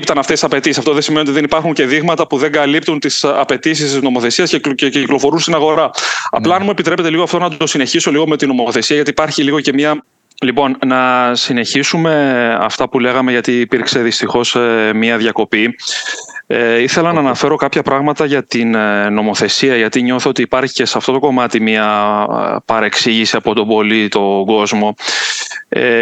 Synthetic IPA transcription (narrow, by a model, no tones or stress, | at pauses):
pt̪ɐnɐft̪et̪i̥sɐpe̞t̪isisɐft̪o̞ðesimenot̪iðe̞nipɐɾxuɲce̞ðiɣmɐt̪ɐpuðe̞ŋɡɐlip̚t̪unt̪isɐpe̞t̪isist̪izno̞mo̞θe̞siɐscececiklo̞fo̞ɾunst̪inɐɣo̞ɾɐɐ̰pplɐɐnmue̞pit̪ɾe̞pe̞t̪e̞liɣoɐft̪o̞nɐt̪o̞sine̞çiso̞liɣo̞me̞t̪ino̞moθe̞siɐʝɐt̪iːpɐɾçiliɣoce̞miɐ | lipo̞nnɐsine̞çisume̞ɐ̰ft̪ɐpule̞ɣɐme̞ʝɐt̪iːpiɾkse̞ðist̪ixo̞smiɐðʝɐko̞pi | eiθe̞lɐnɐːnɐfe̞ɾo̞kɐpçɐpɾɐɣmɐt̪ɐʝɐt̪inno̞mo̞θe̞siɐʝɐt̪iɲo̞θoot̪iːpɐɾçi̥ce̞seɐft̪o̞t̪oko̞mɐt̪imiɐ | pɐɾe̞ksiʝisiɐpo̞t̪o̞bo̞lit̪o̞ɡo̞zmo̞ | e